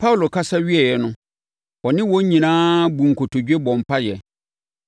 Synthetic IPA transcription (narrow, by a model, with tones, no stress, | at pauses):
pʰa˦wlo˨kʰa˦sa˦ɥi˦ɛ˨jɛ˨nʊ̃˦ | ɔ˨nɪ̃˦wɔ̃˦ɲ˦ɲĩ˨nãː˦bũ˨ŋ̩˨kʰo˨tʰo˨d͡ʑᶣe˦bɔ̃˨m˨pʰa˦jɛ˨